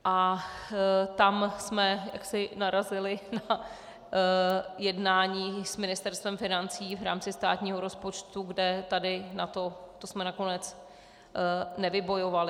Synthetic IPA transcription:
ʔa | t̪amsmɛja̰ksɪnaɾazɪlɪna | jɛdnaːɲiːsmɪnɪst̪ɛɾst̪vɛmfɪnant͡siːvɾa̰ːmt͡sɪst̪a̰ːt̪ɲiːɦo̞ɾo̞spo̞t͡ʃt̪uɡdɛt̪adɪnat̪o̞t̪osmɛnako̞nɛt͡s | nɛvɪbo̞jo̞valɪ

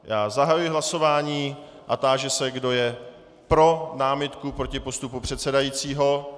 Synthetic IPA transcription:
jaːzaɦajujɪɦlaso̞vaːɲiː | ʔat̪aːʒɛsɛɡdo̞jɛ | pɾo̞naːmɪt̪kupɾo̞cɪpo̞st̪upupr̝̥ɛt̪sɛdajiːt͡siːɦo̞

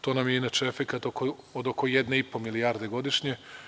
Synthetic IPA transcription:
t̪o̞ːnamjeinat͡ʃeefekat̪oko | od̪okojed̪neipo̞milijaɾd̪e̞ɡo̞d̪iʃɲe

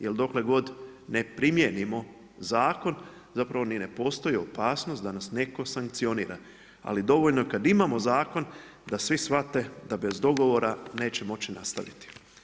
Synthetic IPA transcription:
jeld̪o̞kle̞ɡo̞d̪ne̞pɾimjenimo̞ | zaːko̞n | zapɾaʋo̞nine̞po̞ːst̪o̞jio̞paːsno̞st̪d̪anasne̞ko̞saŋk̚t̪sio̞nḭːɾa̰ | a̰lid̪o̞ʋoʎnokad̪imamo̞zaːko̞n | d̪asʋisʋat̪e̞d̪abe̞zd̪o̞ɡo̞ʋo̞ɾane̞ːt͡ɕemo̞t͡ɕinast̪a̰ʋḭt̪i̥

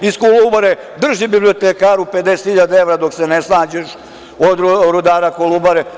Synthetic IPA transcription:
iskolubaɾe | d̪r̩ʒibiblio̞t̪ekaːɾuped̪ese̥t̪hiʎad̪ae̞ʋɾad̪oksenesnaːd͡ʑeʃ | od̪ɾod̪aːɾakolubaɾe

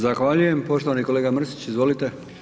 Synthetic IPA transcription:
zaxʋaʎuje̞mpo̞ʃt̪o̞ʋaniko̞leɡamr̩si̥t͡ɕizʋo̞lit̪e̞

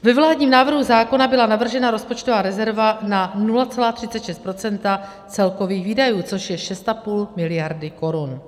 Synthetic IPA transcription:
vɛvlaːdɲiːmnaːvr̩ɦuzaːko̞nabɪlanavr̩ʒɛnaɾo̞spo̞t͡ʃt̪ovaːɾɛzɛɾvananulat͡sɛlaːt̪r̥ɪtt͡sɛt̪ʃɛst̪pɾo̞t͡sɛnt̪a | t͡sɛlko̞viːxviːdajuːt͡so̞ʃjɛʃɛst̪apuːlmɪlɪjaɾdɪko̞ɾun

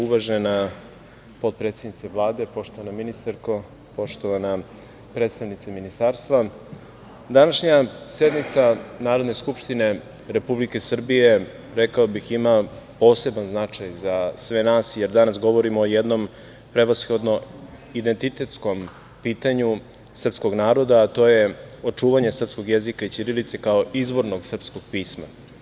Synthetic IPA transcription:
uʋaʒena | po̞t̪̚pɾet̪se̞d̪nit̪seʋlˠaːd̪e̞po̞ʃt̪o̞ʋanaminist̪aɾko | po̞ʃt̪o̞ʋana | pɾet̪st̪aʋnit̪seminist̪aːɾst̪ʋa | d̪anaʃɲase̞d̪nit̪sanaːɾo̞d̪ne̞skupʃt̪ine̞ | ɾe̞publike̞sr̩bije̞ | ɾekaobixima | po̞ːse̞banznat͡ʂajzasʋenaːsjeɾd̪anasɡo̞ʋo̞ɾimoːjed̪no̞m | pɾe̞ʋasxo̞d̪no̞ | id̪e̞nt̪it̪e̞t̪sko̞m | piːt̪aɲu | sr̩psko̞ɡnaːɾo̞d̪aːt̪o̞ːje̞ot͡ʂuːʋaɲesr̩psko̞ɡjezikait͡ʃ̪iɾilit̪sekaoʔizbo̞ɾnoɡsr̩psko̞ɡ̥̚piːsma̰

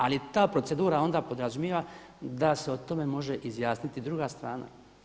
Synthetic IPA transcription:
alit̪aːpɾo̞tse̞d̪uːɾao̞nd̪apo̞d̪ɾazumjeʋa | d̪aseot̪o̞me̞mo̞ʒe̞ʔizjaːsnit̪id̪ɾuɡast̪ɾaːna̰

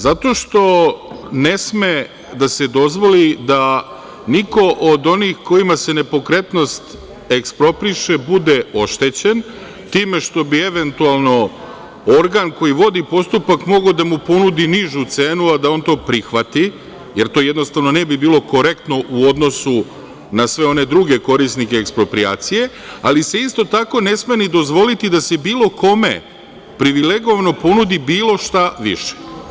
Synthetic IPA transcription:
zat̪o̞ːʃt̪o̞ne̞sme | d̪ase̞d̪o̞zʋo̞lid̪a | niko̞ʔod̪o̞nixko̞imase̞ne̞po̞kɾe̞t̪no̞st̪ | ekspɾo̞pɾiʃe̞bud̪e̞o̞ʃt̪e̞t͡ɕe̞n | t̪iːme̞ʃt̪o̞bie̞ʋent̪ualˠno̞ | o̞ɾɡanko̞jiʋo̞d̪ipo̞st̪upakmo̞ɡaod̪amupo̞nud̪iniʒut̪se̞ːnuad̪ao̞ːnt̪o̞ːpɾixʋat̪i | je̞ɾt̪oje̞d̪no̞st̪aʋno̞ne̞bibiːlˠo̞ko̞ɾe̞kt̪no̞ʔuo̞d̪no̞su | nasʋe̞o̞ne̞d̪ɾuɡe̞ko̞ɾisnike̞ːkspɾo̞pɾia̰ːt̪sije̞ | alise̞ist̪o̞t̪ako̞ne̞sme̞nid̪o̞zʋo̞lit̪id̪ase̞biːlˠo̞ko̞me̞̰ | pɾiʋileɡo̞ʋano̞po̞nud̪ibiːlˠo̞ʃt̪aʋḭʃe̥

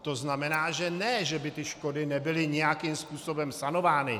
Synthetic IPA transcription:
t̪o̞znamɛnaːʒɛnɛʒɛbɪt̪ɪʃko̞dɪnɛbɪlɪɲɛjakimspuːso̞bɛmsano̞vaːnɪ

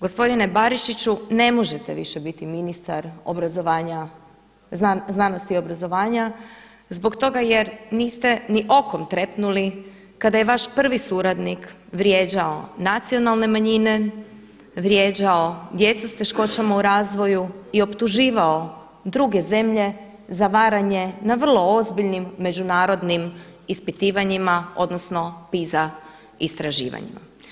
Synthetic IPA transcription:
ɡo̞spo̞d̪inebaɾiʃit͡ɕune̞mo̞ʒet̪eʋḭʃebit̪iminist̪aɾo̰bɾazoʋaːɲa | zaznano̞st̪io̞bɾazo̞ʋaːɲa | zbo̞kt̪o̞ɡajeɾniːst̪e̞niʔo̞ko̞mt̪ɾe̞pnuli | kad̪ajeʋaʃpr̩ʋisuːɾad̪nik | ʋɾje̞ːd͡ʑao̞nat̪sio̞nalˠne̞maɲine̞ | ʋɾʲjeːd͡ʑao̞d̪je̞t̪sust̪e̞ʃko̞t͡ɕamauɾaːzʋo̞juio̞pt̪uʒiːʋao̞ | d̪ɾuɡe̞ze̞mʎe̞ | zaʋaːɾaɲe̞naʋr̩lˠo̞ozbiʎnimːe̞d͡ʑunaːɾo̞d̪nimispit̪iːʋaɲimao̞̰d̪no̞sno̞piza | ist̪ɾaʒḭːʋa̰ɲḭma̰

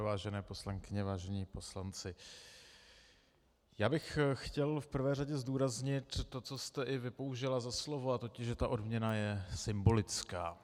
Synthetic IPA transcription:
vaːʒɛnɛːpo̞slaŋkɪɲɛvaːʒɛɲiːpo̞slant͡sɪ | jaːbɪxxcɛlfpr̩vɛːraɟɛzduːɾazɲɪt̪ːo̞t͡sost̪ɛʔɪvɪpo̞wʒɪlazaslo̞voat̪o̞cɪʃʒɛt̪aʔo̞dmɲɛnajɛsɪmbo̞lɪt͡skaː

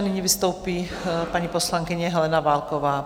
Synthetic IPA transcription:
nɪɲivist̪owpiː | paɲipɔslaŋkɪɲɛɦɛlɛnaʋaːlkɔʋaː

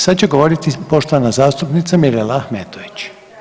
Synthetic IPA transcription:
sad̪t͡ɕeɡoʋo̞ɾit̪ipo̞ʃt̪onazaːst̪upnit̪samiɾelaaxmeːt̪oʋit͡ɕ

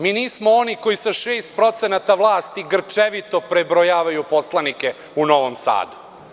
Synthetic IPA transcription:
miːniːsmooniko̞jisaʃeːst̪̚pɾo̞t̪senat̪aʋlˠaːst̪iɡr̩t͡ʂeʋit̪o̞pɾebɾojaːʋajupo̞slˠanike̞ | uno̞ʋomsa̰ːd̪u̥

